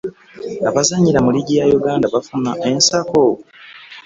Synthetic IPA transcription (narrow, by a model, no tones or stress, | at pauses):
aβazaɲːiɾamuliɟijajuɡaːndaβafunaʔensako